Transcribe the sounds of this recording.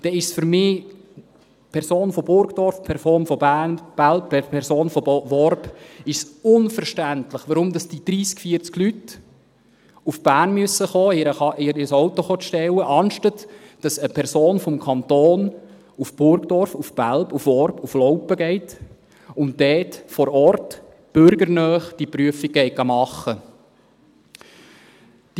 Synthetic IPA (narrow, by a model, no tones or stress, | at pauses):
d̥ɛɪʃsfʏɾmɪː | pʰɛɾsoːnfɔbʊɾɡd̥ɔɾfpʰɛɾsoːnfɔbænb̥ælbpʰɛɾsoːnfɔʋɔɾbɪʃsʊnfəɾʃtæntləχʋəɾʊmd̥ɑsd̥id̥ɾiːskfiːəɾt͡sɡlyt | ufb̥æːɾnmyəsəχoːɪɾəɑʔɪɾɪəsɔwtɔχoːʃtɛwəʔɑnʃtətd̥ɑsəpʰɛɾsoːnfɔmkʰɑnt̪oːn | ufb̥ʊɾɡd̥ɔɾfufb̥ælbufɔɾbuflɔʊpəɡɛɪt | ʊntdɛːtfɔɾɔrt | b̥ʏɾɡəɾnœːχd̥ipɾyəfiɡ̥ɛɪɡɑmɑχːə | d̥